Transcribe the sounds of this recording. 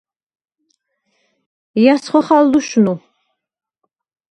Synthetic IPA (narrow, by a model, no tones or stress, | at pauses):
jasχʷɔχalduʃnu